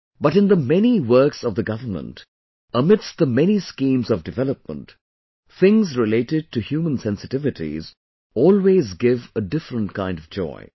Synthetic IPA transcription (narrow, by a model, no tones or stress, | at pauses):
b̥ʌɾɨ̃nðəmɛniwɜ˞ksʌvðɨɡʌvənmə̰̃nt | əmɪdsðəmɛniskĩmzʌvdɨvɛləp̚mə̰̃nt | θɪ̃ŋzɹɪleɪɾɪd̚tʰɨhjumə̃nsɛ̃nsɨtɪvɨtḭz | ɔːlˠwezɡɪvədɪfɹə̃ntkʰãɪ̃ndʌvd͡ʒɔ̰ɪ